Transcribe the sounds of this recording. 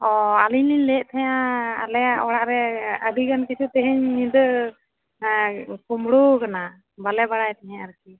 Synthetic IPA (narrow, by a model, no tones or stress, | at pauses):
ɔaliɲliɲlɛʔt̪ʰɛjã̰ːlɛjaʔɔɽaʔɾɛəd̪iɡankɛt͡ʃʰut̪ɛɦɛɲːid̪ə | kumɽukana | balɛbaɽajt̪ʰɛɦɛ̃aɾki